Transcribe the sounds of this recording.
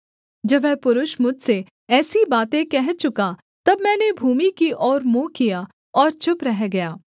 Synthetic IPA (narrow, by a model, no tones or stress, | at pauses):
d͡ʒɐbɛːpʊɾʊʃmʊd͡ʒʱse | ɛːsibaːt̪ẽkɛɦt͡ʃʊka | t̪ɐbmɛ̃ːnebʱuːmikiʔɔːɾmoːkija | ɔːɾt͡ʃʊpɾɛɦɡɐjaː